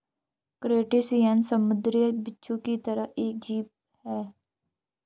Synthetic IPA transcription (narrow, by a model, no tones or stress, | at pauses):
kɾeːʈɪsiːənsəmʊd̪ɾibɪtːʃõːkit̪əɾəeːk̚d͡ʒiːp̚ | hɛː